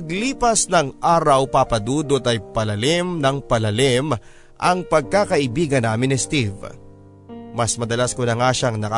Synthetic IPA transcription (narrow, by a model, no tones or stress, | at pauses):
ɐɡliːpɐsnɐŋʔaːɾɐwpapɐd̪uːd̪ot̪ɐjpɐlɐlɪmnɐŋpɐlɐlɪm | ʔɐŋpɐɡ̚kakɐʔɪbiːɡɐnaːmɪnɪst̪iv | mɐsmɐd̪ɐlaskonɐŋaʃaŋnɐka